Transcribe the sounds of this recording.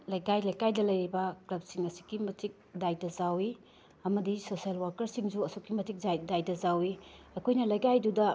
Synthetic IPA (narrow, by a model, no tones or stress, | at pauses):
lɐjkajlɐjkajdɐlɐjɾibɐklɐb̚siŋɐsi̥ɡimɐtik̚dajdɐzawi | ɐmɐdisosialwaɾkɐɾsiŋd͡ʒuɐsokːimɐtik̚zajdajdɐzawi | ɐkʰojnɐlɐjɡajdudɐ